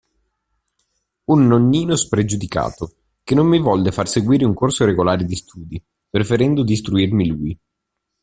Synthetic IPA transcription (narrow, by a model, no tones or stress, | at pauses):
unːonːiːnospɾed͡ʒud̪ika̰ːt̪o | kenːomːivɔlːefarseɡwiːɾeuŋkorsoɾeɡolaːɾed̪ist̪ʰuːd̪i | pɾefeɾɛnd̪od̪ist̪ɾuirmiluːj